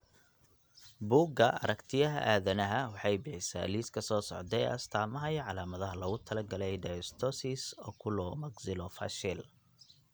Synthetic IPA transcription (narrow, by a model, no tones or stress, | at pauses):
buːɡɐʔɐ̰ɾɐkt̪ʰɪjɐɦɐ̰ʔaːðɐnɐɦɐwɑħɑjbɪħɪsa̰ːliːskʰɐsɔːsɔ̰ʕd̪ɛɐ̰st̪ʰaːmɐɦɐjʕɑlaːmɐðɐɦɐlɐɔɣʊt̪ʰɐlɐɡɐlɛjɖ̪ɐjst̪ʰɔsisɔːkʰʊlɔmɐɡsɪlɔfɐ̰ʃɪl